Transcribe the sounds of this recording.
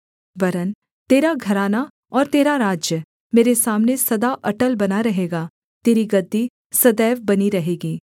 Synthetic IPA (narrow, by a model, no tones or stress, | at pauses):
bɐɾən | t̪eːɾaɡʱɐɾaːna | ɔːɾt̪eːɾaɾaːd͡ʒjə | meːɾesaːmnesɐd̪aʔɐʈəlbɐnaɾɐɦeːɡaː | t̪eːɾiɡɐd̪ːi | sɐd̪ɛːʋbɐniɾɐɦeːɡiː